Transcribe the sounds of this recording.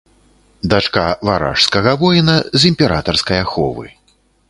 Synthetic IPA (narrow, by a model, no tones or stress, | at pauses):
d̪at͡ʂkavaɾa̰ʂskɐɣɐvɔjnɐzimʲpʲɛɾat̪ɐrskɐjɐxɔ̰vɨ̰